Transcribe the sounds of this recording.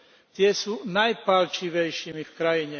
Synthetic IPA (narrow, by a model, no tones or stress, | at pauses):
t̪ɪɛsuːnajpalt͡ʃiʋɛjʃiːmifkɾajiɲɛ